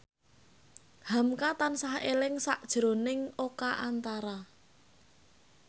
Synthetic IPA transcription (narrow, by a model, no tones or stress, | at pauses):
hamkat̪ansahelɪŋsaʔd̥ʒ̥ɾo̤nɪŋokaʔant̪aɾa